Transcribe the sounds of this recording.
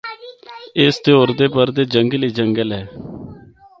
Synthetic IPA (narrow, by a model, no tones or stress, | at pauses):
ɪst̪eoːɾd̪eːpəɾd̪eːd͡ʒəŋɡliːd͡ʒəŋɡəlɦɛː